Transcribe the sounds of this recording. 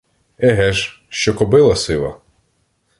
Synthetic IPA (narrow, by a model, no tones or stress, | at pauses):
ɛɦɛʒ | ʃt͡ʃɔkɔbɪlˠɐsɪlˠɐ̰